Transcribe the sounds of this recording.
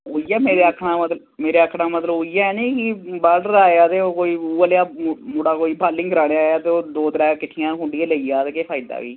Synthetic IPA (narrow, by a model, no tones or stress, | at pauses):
ɦoːiːɛːmeːɾeːəkʰnãːmət̪l | meːɾeːəkʰɽãːmət̪ləbɦoːijaːɛːnẽːkibaːlɖəɾaːjaːt̪eːoːkoːiːuːəlejaːmʊɽaːkoːiːbʰʱaːlːɪŋɡəɾaːɽeaːjaːt̪eːoːd̪oːt̪əɾɛːkɪʈʰːɪjãːɦʊ̃ɳɖiẽːləiːjaːt̪eːkeːpʰaːɪd̪a̰ːʋḭː